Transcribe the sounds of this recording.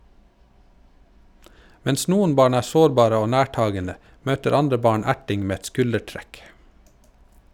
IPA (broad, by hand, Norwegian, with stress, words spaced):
ˈmɛns ˈnuːən ˈbɑːɳ ˈæːɾ ˈsoːɾˌbɑːɾə ˈoː ˈnæːˌʈɑːɡənə ˈmøːtəɾ ˈɑndɾə ˈbɑːɳ ˈæʈɪŋ ˈmeː ˈɛt ˈskʉləˌʈɾɛk